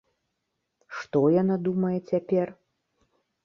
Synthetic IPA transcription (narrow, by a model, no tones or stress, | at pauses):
ʂt̪ɔjanad̪umɐjɛt͡sʲapʲɛr